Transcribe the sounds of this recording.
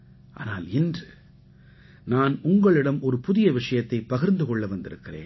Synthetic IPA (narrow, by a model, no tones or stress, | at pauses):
ʔa̰ːna̰ːlɪndrɯ | naːnʊŋɡɐɭɪɽɐmʔɔɾɯpʊðɪjɐʋɪʂɐjɐt̪ːɐɪpːɐɣɪɾnd̪ɯkɔɭːɐʋɐnd̪ɪɾɯkːɪrḛːn